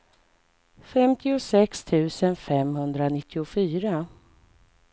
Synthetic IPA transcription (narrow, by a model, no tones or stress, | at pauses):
fɛmt̪ʰɪʊsɛkst̪ʰʉ̟ːsənfɛmhɵnd̪ɾanɪt̪ʰːɪʊfyːɾa